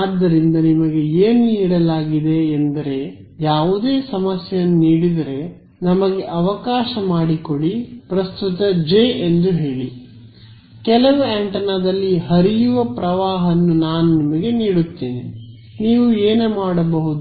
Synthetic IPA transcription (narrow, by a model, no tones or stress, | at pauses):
aːd̪ːɐɾind̪ɐnimɐɡe̞eːnniːɽɐlaːɡid̪e̞ːnd̪ɐɾe̞ | jaːʋud̪e̞ːsɐmɐsjɐjɐnːuniːɽid̪ɐɾe̞ | nɐmɐɡe̞ʔɐʋɐkaːʃɐmaːɽiko̞ɭipɾɐst̪ut̪ɐd͡ʒeːend̪uɦe̞ːɭi | kɛlɐʋueɳʈɐnad̪ɐlːiɦɐɾijuʋɐpɾɐʋaːɦɐnːunaːnunimɐɡe̞niːɽut̪ːiːni | niːʋueːnemaːɽɐbɐɦud̪u